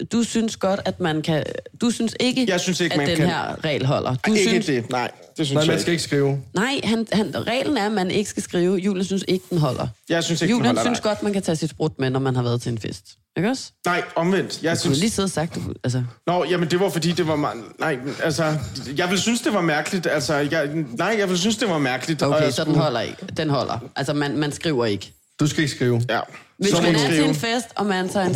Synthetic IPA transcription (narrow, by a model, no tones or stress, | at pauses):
d̥usynsɡ̥ɒ̽d̥æd̥mænkʰæd̥usynse̝ɡ̥əjɑ̈ɪsynseɡææd̥ehæɐ̰ʁɛ̰ːlɦɒ̽lʔɐd̥ud̥enɑɪ̰ | d̥esynmæsɡ̥æeɡ̥əsɡ̥ʁiːʊnɑ̈ɪ̰ɦænhænʁɛ̰ːln̩æɐmænʔe̝ɡ̥əsɡ̥æsɡ̥ʁiːʊjṵːljən̩synse̝ɡ̥əd̥enɦɒ̽l̰ʔɐjɑ̈ɪsynseɡju̥̰ːljəynsɡ̥ɒ̽d̥mænkʰæt͡sʰɛ̰ːsid̥sb̥ʁɔd̥menɒmænɦɑ̈ʋæɐðˠt͡sʰe̝enfḛsdd̥ | eɡ̥ɒsnɑ̈ɪɒ̽mʋen̰d̥jɑɪliːseð̰ˠɐsɑ̈ɡ̥̚d̥uælsənɒjæmənd̥e̝ʋɑfɒd̥ḭːd̥e̝ʋɑ̈mnɑ̈ɪ̰ælsɒjɑ̈ɪʋe̝lsynsd̥e̝ʋɑ̈mæɐɡ̥əlid̥ælsɒjɑɪnɑ̈ɪ̰jɑ̈ɪʋe̝ls̬ynsd̥e̝ʋɑ̈mæɐɡ̥əlid̥oḛɪsɒ̽d̥enɦɒ̽l̰ɐeɡ̥d̥enɦɒ̽l̰ʔɐ̰ʔælsɐmænmænsɡ̥ʁiʊɐe̝ɡ̥ə | d̥usɡ̥æe̝ɡ̥əsɡ̥ʁiːʊæʋessmænæt͡sʰeenfesd̥ɒ̽mænsɑɪn